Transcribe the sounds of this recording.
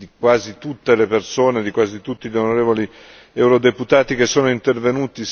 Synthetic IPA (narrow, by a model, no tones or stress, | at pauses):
d̪ikwaːzit̪ut̪ːelepersoːned̪ikwaːzit̪ut̪ːiʎonoɾeːvoli | ɛwɾod̪eput̪aːt̪ikesːoːnoint̪ervenuːt̪i